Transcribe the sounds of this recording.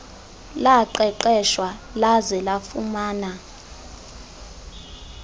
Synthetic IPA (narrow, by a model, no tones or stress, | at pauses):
laǃɛǃɛʃwalazɛlafumaːna